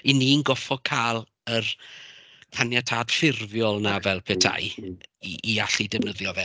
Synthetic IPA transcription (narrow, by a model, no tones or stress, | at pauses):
ininɡɔfɔkʰaːlˠ | ər | kʰanjatʰaːd̥fɪrvjɔlˠnavɛlˠpʰɛtʰa̰j | ʔiaɬidɛvnəðjɔvɛ